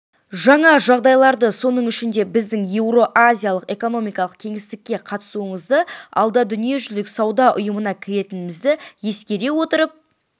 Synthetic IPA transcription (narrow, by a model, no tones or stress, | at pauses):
ʒɑɴɑʒɑʁd̪ɑjlˠɑɾd̪əso̞nəɴʏʃɪnd̪e̞bɪzd̪ɪŋje̞wɾo̞ʔazʲijalˠəqe̞ko̞no̞mijkɑlˠəq̚kʲʰe̞ŋɪst̪ɪkʲːe̞qʰɑt̪ə̥suəɴəzd̪əɑ̰lˠd̪ɑd̪ʏnije̞ʒʏlɪksɑwd̪ɑʔʊjəmənɑkʲʰɪɾe̞t̪ɪnɪmɪzd̪ɪje̞skʲe̞ɾe̞wo̞t̪əɾəp̚